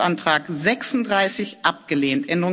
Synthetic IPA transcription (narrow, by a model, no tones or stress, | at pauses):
ʔantʁ̥aːkzɛksʊndʁaɪsɪçʔap̚ɡ̥əleːntʔɛndəʁʊ